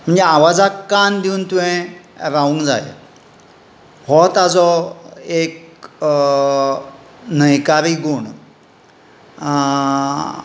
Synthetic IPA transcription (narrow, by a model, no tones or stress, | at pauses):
m̤əɳd͡zeaʋad͡zakkːand̪iunt̪uʋẽɾaũŋkd͡zajḛ | hɔt̪ad͡zɔek | nəjkaɾiɡoɳ